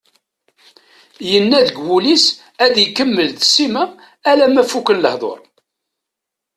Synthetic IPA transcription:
jənːæðəɡwulis | æd̪jəkːəmːəlðsːimæː | læmæfukənləhðˤo̰ɾˤ

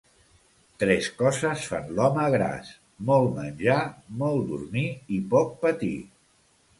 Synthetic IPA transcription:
t̪ɾɛskɔzəsfa̰nlɔməɣɾa̰s | mɔlˠmənʲʒamɔlˠd̪ṵɾmiipɔk̚pət̪ḭ

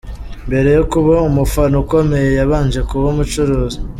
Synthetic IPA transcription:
mbe̞ɾe̞jukuβaumufanuko̞me̞je̞jaβaːnd͡ʒe̞kuβomut͡ʃuɾuːzi

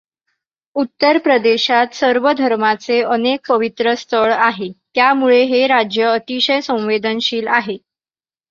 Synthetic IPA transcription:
ut̪ːəɾpɾəd̪eɕat̪səɾʋəd̪ʱəɾmat͡seənek̚pəʋit̪ɾəst̪ʰəɭaɦet̪jamuɭeɦeɾad͡ʑjəːt̪iɕəjsə̃w̃ʋed̪ənɕiːlaɦe

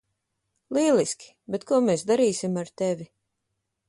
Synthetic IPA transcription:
lˠiɛlˠiskʲi̥ | bet̪kuɔmeːsd̪aɾiːsʲimaɾt̪ɛvʲi

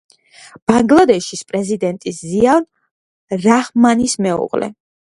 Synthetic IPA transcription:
b̥aŋɡlˠad̪ɛʃispʼɾɛzid̪ɛnt̪ʼisziavn | ɾaχmanismɛṵʁlɛ̰

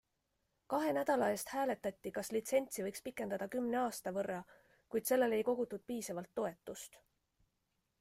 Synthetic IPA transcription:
kɑɦe̞næd̪̥ɑlɑe̞st̪hæːle̞t̪ːˑɑt̪ʲːikɑslit̪se̞nʲt̪sivɤjkspikːˑe̞nd̪̥ɑd̪̥ɑkymne̞ɑːst̪ɑvɤrːɑ | kujd̪̥se̞lːe̞le̞jko̞ɡ̥ut̪ˑːud̪̥̚piːsɑvɑlt̪ːo̞e̞t̪ːˑust̪

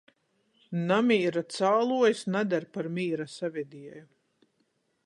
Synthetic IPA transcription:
namʲiːɾat̪saːlˠuɔjsnad̪aɾpaɾmʲiːɾasavʲɛd̪iɛju

